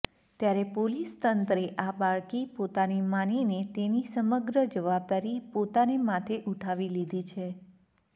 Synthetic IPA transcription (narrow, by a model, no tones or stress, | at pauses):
t̪jaɾepolist̪ənt̪ɾeʔabaɭkipot̪animaninet̪enisəməɡɾəd͡ʒəʋab̚d̪aɾipot̪anemat̪ʰeʔuʈʰaʋilid̪ʱit͡ʃʰe